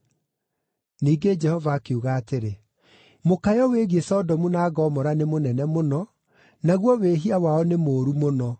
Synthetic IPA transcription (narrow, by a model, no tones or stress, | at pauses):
niːɡed͡ʒɛhɔvaːkeuɣaːteɾe | mokajɔweɣiesɔdɔmunaːɡɔmɔɾanemonɛnɛmonɔ | naɣwɔweɦiawaɔnemoːɾumonɔ